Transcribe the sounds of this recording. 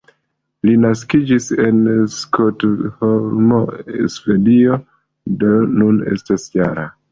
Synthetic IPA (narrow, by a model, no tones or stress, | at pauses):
linaskid͡ʒise̞nskotholmoesve̞dio̞ | donune̞̰stasjaɾa